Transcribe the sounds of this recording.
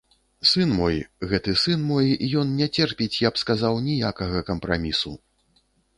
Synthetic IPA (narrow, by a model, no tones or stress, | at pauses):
sɨnmɔjɣɛt̪ɨsɨnmɔjijɔnnʲɛt͡sʲɛrpʲit͡sʲjɐpskazawnʲijakɐɣɐkɐmpɾa̰mʲisṵ